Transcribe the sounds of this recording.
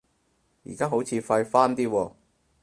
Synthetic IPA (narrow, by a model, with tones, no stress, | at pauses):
jḭː˨˩kaː˥ɦo˨˥wt͡sʰiː˨˧fɐ˧jfaː˥nt̪iː˥wɔː˧